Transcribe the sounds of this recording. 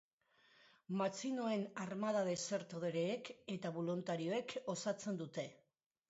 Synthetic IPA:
mat͡sino̞e̞narmað̞aðe̞se̞ɾt̪oð̞eɾeːke̞t̪aβolunt̪aɾio̞e̞kʰo̞sat͡se̞nd̪ut̪e̞

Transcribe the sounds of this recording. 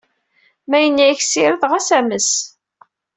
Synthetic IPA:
mæjənːiçsɪɾəðʁæsæməs

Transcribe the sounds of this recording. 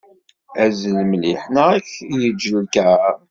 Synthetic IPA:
æzəlmliħnaæçjəd͡ʒːəlkæ

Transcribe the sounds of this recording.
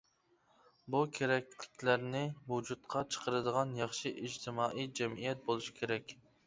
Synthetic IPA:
bukʲʰeɾɛk̚ʲlɪkʲlæɾnɪvud͡ʒut̪qʰɑt͡ʃʰə̥qʰəɾɨd̪əʁɑnjɑχʃiʔid͡ʒt̪ʰɪmɑːʔijd͡ʒɛmijɛt̪̚bolˠuʃi̥kʲʰeɾɛkʲ

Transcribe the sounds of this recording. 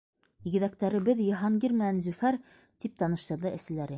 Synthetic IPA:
iɡɘ̆ðækt̪æɾɘ̆bɘðjɤ̆ɦɑŋɡiɾmɘ̆nænzʉfæɾ | t̪ip̚t̪ɑnɤ̆ʃt̪ɤ̆ɾðɤʔæ̆sɘ̆læɾɘ

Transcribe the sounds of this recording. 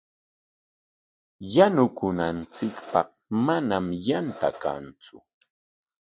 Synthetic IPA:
janʊkʊnant͡sɪkpɑ̰χ | manamjant̪a̰ka̰nt͡sʊ

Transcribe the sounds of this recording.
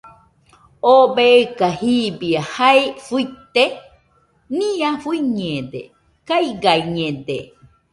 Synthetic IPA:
obeekahibiahaefuit̪e | nĩãfuiɲẽd̪ḛ | kajɡajɲẽd̪ḛ

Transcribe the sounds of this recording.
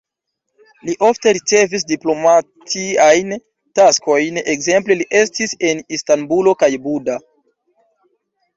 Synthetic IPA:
liʔo̞fte̞ɾit͡se̞vis̬diplo̞matʰiajn | tasko̞jne̞kze̞mpleliʔe̞stise̞nistanbulo̞kajbuda

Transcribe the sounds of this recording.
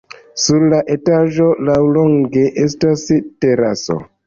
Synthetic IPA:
suɾlaʔe̞taʒo̞lawloŋɡe̞ʔes̬taste̞ɾaso̞̰

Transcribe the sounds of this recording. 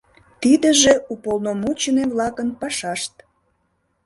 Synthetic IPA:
t̪id̪ə̆ʒeupolnomut͡ɕəneβlɑkənpɑʃɑʃt̪̚

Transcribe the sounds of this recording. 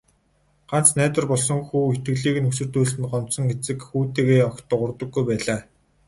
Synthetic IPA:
ɢ̥an̥t͡snæːt̪ə̆rpɔɮsɞ̆ŋxuːxet̪̚ɡɘ̆ɣɮiːɣɘ̆nɵsɵ̆rt̪uːɮsɘ̆nɢɔm̥sɞ̆ŋɡet͡sɘ̆kxuːt̪eːɣeːɔkt̪ə̆qʊrt̪ɞ̆ɡːujpæːɮaː

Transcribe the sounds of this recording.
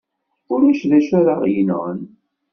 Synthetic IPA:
ʊɾæʃðæʃæɾaʁjənʁə̰n

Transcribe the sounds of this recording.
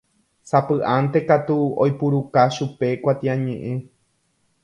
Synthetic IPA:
sapɨʔant̪e̞kat̪uo̰jpuɾukaʃupe̞kʷat̪iãɲẽʔẽ

